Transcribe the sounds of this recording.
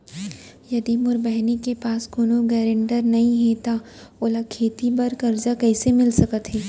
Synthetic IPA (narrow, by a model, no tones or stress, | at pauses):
jɐd̪iːmʊɾbɛɦnikepaːskoːnoɡɛːɾẽɳɖəɾnɐɦĩɦet̪a | oːlakʰeːt̪ibɐɾkɐɾd͡ʒakɛːsemɪlsɐkət̪ɦɛː